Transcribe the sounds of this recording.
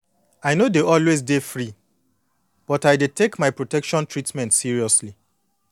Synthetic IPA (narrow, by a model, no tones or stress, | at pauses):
ajnodeɔlwezdefɹi | b̥ɔtajdetekmaɪpɹotɛkʃɔ̃ntɹitmɛ̃ntsiɹiɔsli